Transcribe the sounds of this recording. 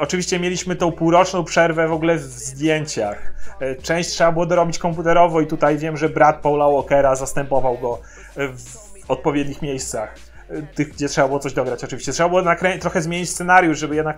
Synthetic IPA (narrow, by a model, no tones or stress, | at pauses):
ɔt͡ʂɨvʲiɕt͡ɕɛmʲjelʲiɕmɘt̪ɔ̃w̃puwɾɔt͡ʂnɔ̃w̃pʂɛɾvɛvɔɡulɛv | zd̪ʲjeɲt͡ɕaxt͡ʂɛ̃w̃ɕt͡ɕtʂɛbabɘwɔd̪ɔɾɔbʲit͡ɕkɔmput̪ɛɾɔvɔit̪ut̪ajvʲjɛmʐɛbɾat̪̚pɔwlawɔkɛɾazast̪ɛmpɔvawɡɔ | v | ɔt̪̚pɔvʲjɛd̪ɲixmʲjejst̪sax | t̪ɘɣɡ̚d͡ʑɛt̪ʂɛbabɘwɔt̪sɔʑd̪ɔɡɾat͡ɕɔtt͡ʂɨvʲiɕt͡ɕɛt̪ʂɛbabɘwɔnakɾɛt̪ɾɔxɛzmʲjeɲit͡ɕst̪sɛnaɾjuʂʐɛbɘjɛd̪nak